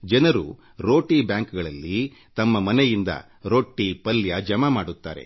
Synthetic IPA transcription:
d͡ʒɐnɐɾṵ | ɾo̞ːʈibjaːŋkɡɐɭɐlːi | t̪ɐmːɐmɐnɛjind̪ɐ̰ | ɾo̞ːʈːipɐljɐd͡ʒɐmɐmaːɽut̪ːa̰ːɾe̞̰

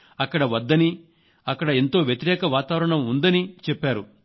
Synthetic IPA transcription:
ɐkːɐɽɐʋɐd̪ːɐni | ɐkːɐɽɐent̪o̞ːʋjɐt̪iɾɛːkɐʋaːt̪aːʋɐɾɐɳɐmund̪ɐnit͡ʃɛpːaːɾu

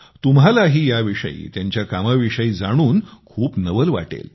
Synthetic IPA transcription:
t̪umɦalaɦiːjaʋiʂə̰ḭːt̪jaɲt͡ɕjakaməʋiʂəiːd͡zaɽ̃uːnkʰuːpnəʋəlʋa̰ʈḛl

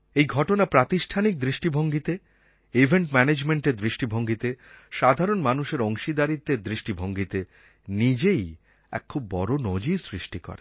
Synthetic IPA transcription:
ejɡʱɔʈonapɾat̪iʃʈʰanik̚d̪ɾiʃʈibʱoŋɡit̪e | ibʱeɳʈmɛned͡ʑmeɳʈeɾd̪ɾiʃʈibʱoŋɡit̪e | ʃad̪ʱaɾonmanuʃeɾoŋʃid̪aɾit̪ːed̪ɾiʃʈibʱoŋɡit̪e | nid͡ʑej | ɛ̰kʰːubːɔɾonod͡ʑisɾiʃʈikɔ̰ɾḛ

